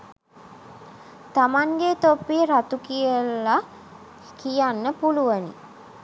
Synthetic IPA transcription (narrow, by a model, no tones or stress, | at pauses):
t̪amaŋɡet̪opːiɾat̪ukijəla | kijanːəpuluʋənḭ